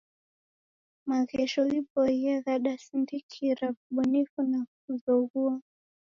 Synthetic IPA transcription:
maɣɛʃɔipɔiaɣaɗasindikʰiɾavuɓunifunakuðɔɣua

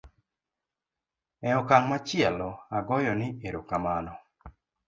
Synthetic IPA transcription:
ɛɔkaŋmat͡ʃɪalɔaɡɔjɔnɪeɾokamanɔ

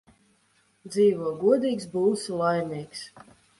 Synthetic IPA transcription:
d̪ziːvuɔɡuɔd̪iːksbuːwslˠajniɛks

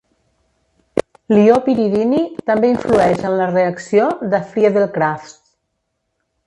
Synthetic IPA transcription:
liopiɾiðinit̪əmbeiɱfluɛʒənləreəksioðəfɾiaðelˠkɾaft̪

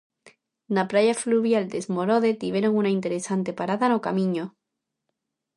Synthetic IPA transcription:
napɾaʝafluβjald̪e̞zmo̞ɾoðe̞t̪iβeɾoŋunaint̪e̞ɾe̞sant̪e̞paɾaðanokamĩɲo

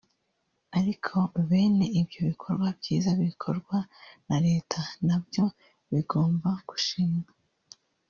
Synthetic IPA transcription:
aɾikʰo̞βe̞ːne̞ibjo̞βikʰo̞ɾɡwabjiːzaβiikʰo̞ɾɡwanaɾe̞ːtʰanabjo̞ | βiɡo̞ːmbaɡ̥u̥ʃimwa

